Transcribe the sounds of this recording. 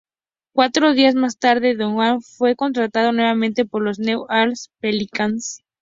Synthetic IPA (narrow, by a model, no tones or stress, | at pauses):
kwat̪ɾo̞ðiazmast̪aɾðeðoŋwanfwe̞ko̞nt̪ɾat̪að̞o̞nwe̞βamẽnt̪e̞po̞ɾlo̞znewalspelikans